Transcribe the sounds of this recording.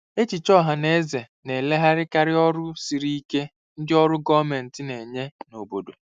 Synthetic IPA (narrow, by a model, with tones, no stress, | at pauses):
e˦t͡ʃi˨t͡ʃɔ˦ɦa˨ne˦ze˨ | ne˨le˦ɦa˦ɾɪ˦ka˦ɾɪ˦ɔ˦ɾʊ˦si˨ɾi˦i˦ke˦ | n̩˦dɪ˦ɔ˦ɾʊ˦ɡɔ˦me˨n̩˨tɪ˦ne˨ɲe˦no˨bo˨do˨